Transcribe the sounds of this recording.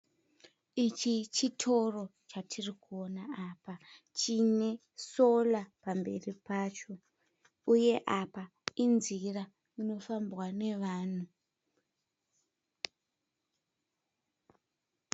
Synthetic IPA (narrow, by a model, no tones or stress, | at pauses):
it͡ʃit͡ʃitʰo̞ro̞t͡ʃatʰirikuonaaːpa | t͡ʃine̞ | so̞lapambe̞̰ripaːt͡ʃo̞ | uje̞ʔapa | inzira | mino̞fambwane̞ʋaːn̤u